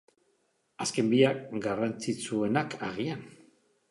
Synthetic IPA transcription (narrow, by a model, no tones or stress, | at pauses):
aske̞mbiakɡarant͡sit͡sue̞nakʰaɣian